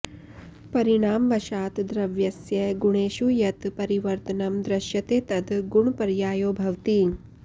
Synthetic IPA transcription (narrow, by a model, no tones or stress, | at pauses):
pɐɾiɳaːmʋɐʃaːt̪d̪ɾɐʋjɐsjɐɡuɳeːʃujɐt̪pɐɾiʋɐɾt̪ɐnɐmd̪ɾɐʃjɐt̪eːt̪ɐd̪ɡuɳpɐɾjaːjoːbʱɐʋt̪i